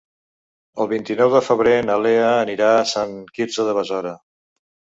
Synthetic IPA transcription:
əlˠβint̪inɔwðəfəβɾenəleəːniɾaəsaŋkiɾzəðəβəzɔɾə

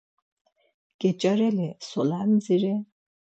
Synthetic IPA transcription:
ɡ̥ʼɛt͡ʃʼaɾɛlɛsɔlanziɾɛ

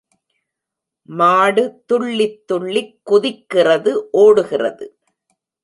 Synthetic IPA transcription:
maːɽɯt̪ːʊɭːɪt̪ːʊɭːɪkːʊðɪkːɪrɐðɯʔoːɽɯɣɪrɐ̰ðɯ

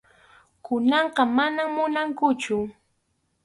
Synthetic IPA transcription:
kʊnɑɴqɑmanamːʊnaŋkʊt͡ʃʊ

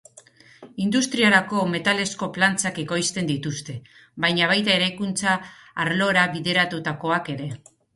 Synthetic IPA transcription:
ind̪ust̪ɾiaɾako̞me̞t̪ale̞sko̞plant͡sakeko̞jst̪e̞nd̪it̪ust̪e̞ | βajɲaβ̞ajt̪ae̞ɾajkunt͡saːɾlo̞ɾaβiðe̞ɾat̪ut̪ako̞ake̞ɾe̞

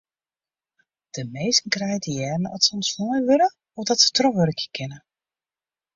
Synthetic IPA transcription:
d̥əmejsn̩krɛjədəjɛːrməɔtsɔmsnɔjʋølə | ɔfdɔtsə̥trɔʋøɾəkjəkɪnə

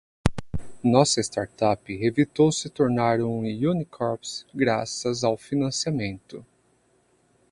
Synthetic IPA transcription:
nɔsɐɪst̪aɾt̪apɪevit̪owsɪt̪oɾnaɾũjunikʰɔɾpsɡɾasɐzawfinɐ̃siamẽnt̪ʊ

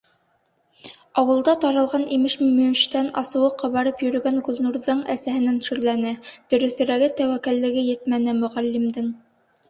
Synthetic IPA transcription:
ɑwɤ̆lˠd̪ɑt̪ɑɾɤ̆lˠʁɑnimɘʃmɵmimʃt̪ænɑsɤ̆wɤqɑβɑɾɤpjɵ̆ɾɵ̆ɡænɡŭlˠnuɾðɤɴæ̰sæhɘ̆nænʃɵ̆ɾlænɘd̪̥ɵ̆ɾɵ̆θɘ̆ɾæɡɘt̪æwækælːɘ̆ɡɘjɘ̆t̪mænɘmɵ̆ʁælːɘmd̪ɘŋ

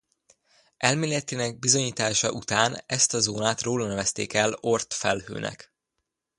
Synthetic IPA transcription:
ʔɛlmeːlɛt̪inɛɡ̚bizo̞ɲiːt̪aːʃɒ̰ʔut̪aːnɛst̪ɒzoːnaːt̪roːlɒnɛvɛst̪ḛːkɛlo̞rt̪fɛlhø̰ːnʔɛ̰k

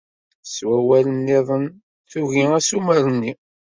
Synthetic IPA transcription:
swæwælənːeðˤən | θuʝiæsuməɾənːi

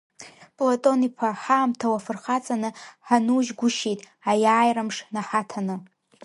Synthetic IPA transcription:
pʼlotʼo̞nipʰaħaːmtʰawafɨrχat͡sʼanɨħanuʒɡʷʊʃejtʼ | ajaːjramʂnaħatʰanɨ

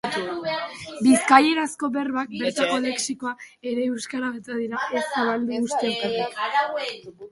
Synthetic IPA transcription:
biskaje̞ɾasko̞βe̞rβak̚be̞ɾt̪ako̞le̞ksiko̞ae̞ɾe̞ewskaɾaɣet̪að̞iɾae̞seβald̪uɣust̪eat̪a

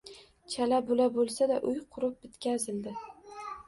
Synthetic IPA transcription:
t͡ʃʰalabolabolˠsad̪aʔʊjqʰʊɾʊp̚bɪt̪kʲazɪld̪ɪ

